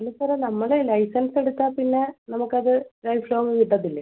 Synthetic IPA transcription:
ɐnusɐɾɐnɐmːɐɭelɐjsɐnse̞ɽut̪ːaːpinːe̞nɐmukːɐðɨɾɐjfloːʋɨʋiʈːɐðːilːɐ

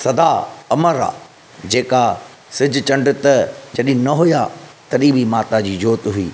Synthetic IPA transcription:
sɐd̪aɐməɾa̰ | d͡ʑeːka | sɪd͡ʑʊt͡ɕɐ̃ɳɖɪt̪ɐd͡ʑɐɗɪ̃ɦnɐɦʊjat̪ɐɗĩːbʱimaːt̪ad͡ʑiːd͡ʑoːt̪ɦʊḭː

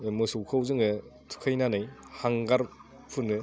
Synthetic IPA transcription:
emɯsɯwkʰawzɯŋɯtʰu̥kʰajnanɯjhaŋɡaɾ | pʰɯnɯ

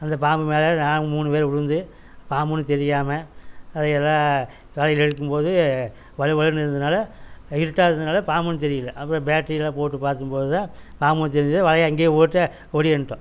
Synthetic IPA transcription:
ɐnd̪ɐpaːmbɯmeːlɐnaːnɯmuːɳɯʋeːɾʊɻɯnd̪ɯ | paːmbɯnːɯt̪ɛɾɪjaːmɐɐðɛɛlːãː | ʋɐɻɐjɪlɛɽɯkːɯmpoːðɯ | ʋɐɭɯʋɐɭɐɾnɪɾɯnd̪ɐnaːlɐɪɾɯʈːaːɪɾɯnd̪ɐnaːlɐpaːmbɯnːɯt̪̬ɛɾɪjɪlːɐʔɐpːɯɾõbjaːʈɾijɪlãːpoːʈːɯpaːɾt̪ɯmpoːðɯt̪ãːpaːmbɯnɯt̪ɛɾɪnd̪ɪðɯʋɐɻɐjɐŋɡeːoːʈːɐ | ɔɽɪɛɳːɯʈːõ

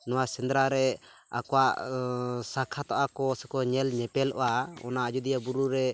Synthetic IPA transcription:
nɔwasɛnd̪ɾaɾɛa̰kɔwaʔ | sakʰat̪aʔakɔsɛkɔɲɛlɲɛpɛlɔ̰ʔaɔ̰naad͡ʒud̪ijabuɾuɾɛ

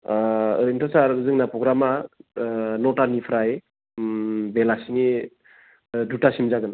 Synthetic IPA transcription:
ɯ̰ɾɯŋtʰasaɾɯzɯŋnapɾɔɡɾama | nɔtanipʰɾaj | belasini | dutasimzaɡɯn

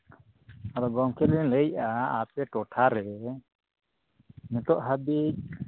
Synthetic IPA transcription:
aɾɔɡɔŋkʰɛɾɛləjaapɛʈɔʈʰaɾɛ | mɛt̪ɔʔɦabic̚

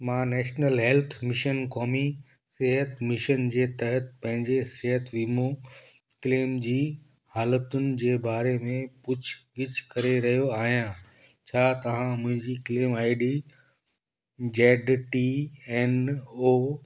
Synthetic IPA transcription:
mãːnɛːʃnəlɦɛlt̪ʰmɪʃənkɔːmi | sɪɦət̪mɪʃənd͡ʑeːt̪ɐɦət̪̚pɐ̃ɦɪ̃ɲd͡ʑesɪɦət̪ʋiːmo | kɪleːmd͡ʑiː | haːlət̪ʊnɪ̆d͡ʑeːbaːɾemẽpʊt͡ɕʰɡɪt͡ɕʰkɐɾeɾɐɦijoaːɦijã | t͡ɕʰaːt̪ɐʋ̤ãmʊ̃ɦɪ̃ɲd͡ʑikɪleːmaːɪɖi | d͡ʑeːɖʈiɛnoː

